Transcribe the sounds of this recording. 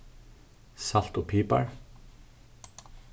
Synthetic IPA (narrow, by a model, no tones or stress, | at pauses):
sɑlt̪oːpʰiːpa̰ɹ